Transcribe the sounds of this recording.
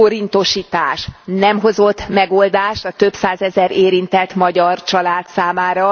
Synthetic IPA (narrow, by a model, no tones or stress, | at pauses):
oɾint̪o̞ʃiːt̪aːʃnɛmɦo̞zo̞t̪ːmɛɡo̞ld̪aːʃt̪ɒt̪ø̞psaːzɛzɛɾeːɾint̪ɛt̪mɒɟɒrt͡ʃɒlaːt̪saːmaːɾɒ